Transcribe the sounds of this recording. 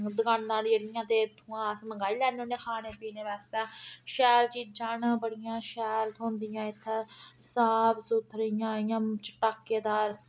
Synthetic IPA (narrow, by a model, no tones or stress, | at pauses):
d̪əɡannãːlːəɽɪjãːt̪eːt̪ʰũːãːsməŋɡaːiːlɛːnoːneːkʰaːneːpiːneːʋɛːst̪ãːʃɛːld͡ʒiːd͡ʒaːnaːbəɽɪjãːʃɛːlt̪õːnd̪ɪjãːɪt̪ʰːeːsaːpʰsuːt̪ʰːɾəɪjãːɪjãːt͡ʃəʈaːkːeːd̪aːɾ